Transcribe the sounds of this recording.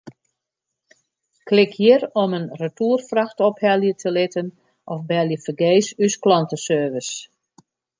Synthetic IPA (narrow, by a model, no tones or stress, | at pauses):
klɪkʰjiərɔmənrətuːrfraxtɔphɛlˠjətʰəlɪtən | ʔɔfbɛlˠjəfərɡeːsysklɔntəsøːʋəs